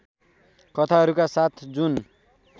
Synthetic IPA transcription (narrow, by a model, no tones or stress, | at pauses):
kʌt̪ʰaɦʌɾukasat̪ʰd͡zun